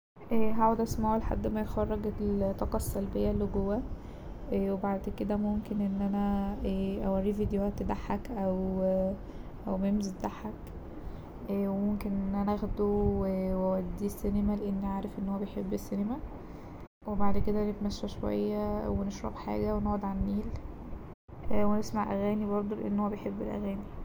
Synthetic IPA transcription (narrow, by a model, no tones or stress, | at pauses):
ʔæɦaʕwæd̪ʔæsmæʕoleħa̰d̪ːmæjxɑrˤːeɡt̪ˤːɑqɑsːælbejːælːiɡowːæ | ʔwebaʕd̪ked̪æmomkenʔenːʔænæ | ʔæwærːiːvid̪joæt̪ːd̪aħːækʔæw | ʔæwmemzet̪d̪aħæk | ʔæːwemomkenʔenʔænææɣd̪owwæwæd̪ːiːsːinemæleʔenːiʕaːɾefʔenːhowːæbejħebːesːinemæ | webaʕd̪ked̪ænet̪mæʃːæʃowæ̰jːæweneʃɾˤɑ̰bħa̰ːɡæwenæɣæd̪ʕanːiːl | ʔwenesmaʕʔæɣæːnibɑɾˤd̪ˤoleʔḛnːhowːæbejħebːelʔæ̰ɣæːni